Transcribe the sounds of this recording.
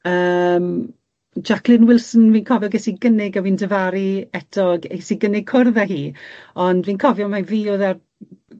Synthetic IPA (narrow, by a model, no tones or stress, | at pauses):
əːm | d͡ʒakʰlˠɪnwɪlˠsn̩wiːnkʰɔvjɔɡɛsiɡənɪɡəwindəvaɾiɛtʰɔɡɛsiɡənɪɡ̚kʰʊrðɛɦiːɔndviːnkʰɔvjɔmaviːoðɛr